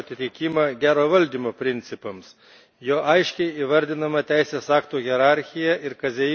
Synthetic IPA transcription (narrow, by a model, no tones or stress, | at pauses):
ɐt̪ʲɪt̪ʲɪkʲimɐɡʲæːɾoːʋɐlʲd̪ʲiːmoːpʲɾʲɪnʲt̪sʲɪpɐms | joːʔɐɪʃʲkʲɛɪiːʋɐɾʲd̪ʲɪnɐmɐt̪ʲæɪsʲeːsɑːkt̪uːɣʲɛɾɑˑɾʲxʲɪjɛʔɪɾkɐzʲɛ